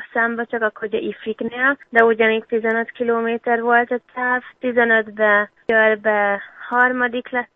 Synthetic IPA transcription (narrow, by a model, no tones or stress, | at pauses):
sambɛt͡ʃɒkɒkʰoɟɒʔifikneːld̪ɛuɟɒneːk̚t̪izɛnøt̪kiloːmeːt̪ɛɾʋolt̪ɛt̪ʰaːvt̪izɛnøt̪bɛ | ɔɾbɛhɒɾmɒd̪iklɛ